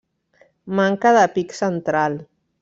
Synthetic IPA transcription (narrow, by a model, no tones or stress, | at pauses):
maŋkaðəpiksənt̪ɾal